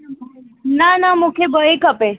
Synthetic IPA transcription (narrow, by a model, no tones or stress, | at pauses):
nanamukʰebəekɐpe